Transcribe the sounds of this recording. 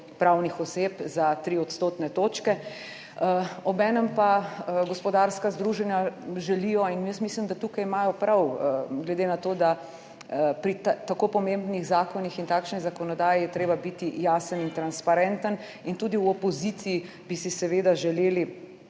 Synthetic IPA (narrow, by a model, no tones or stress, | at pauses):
pɾawnixɔseːpzat̪ɾiɔt̪st̪oːt̪nɛt̪oːt͡ʃkɛ | ɔbɛːnɛmpaɡɔspɔd̪aɾskazd̪ɾuʒɛnjaʒɛlijɔinjəst̪mislimd̪at̪ukajimaːjɔpɾawɡlɛd̪eːnat̪oːd̪a | pɾit̪t̪akoːpɔmembniɣzaːkɔnixint̪aːkʃnizakɔnɔd̪aːjijɛt̪ɾeːbabit̪ijaːsənint̪ɾanspaɾɛnt̪ən | int̪uːd̪iwɔpɔzit̪siji | bisisɛʋeːd̪aʒɛleːli